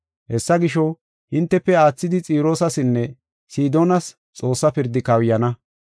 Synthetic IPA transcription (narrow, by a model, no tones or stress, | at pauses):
hɛsːɐɡɪʃɔ | hɪnt̪ːɛpːɛaːt͡sːɪd̪ɪt͡sʼiːɾo̞ːsɐsɪnːɛ | siːd̪oːnɐs | t͡sʼo̞ːsːɐpɪɾd̪ːɪkɐwjɐnɐ